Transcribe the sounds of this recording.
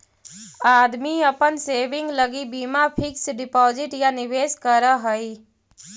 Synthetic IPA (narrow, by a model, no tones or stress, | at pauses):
aːd̪miɐpənseːʋɪ̃ŋɡləɡibiːmapʰɪksɖɪpɔːzɪʈjanɪʋeːskəɾəɦəi